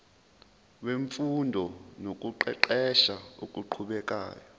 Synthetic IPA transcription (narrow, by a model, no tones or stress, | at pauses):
weɱfundʱɔnok̬ʼuǃɛ̰ǃɛʃaṵkʼuǃʰuɓɛk̬ʼa̰ːjɔ